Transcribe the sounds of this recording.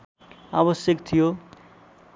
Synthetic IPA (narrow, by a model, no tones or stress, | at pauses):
aβəsjəkt̪ʰijo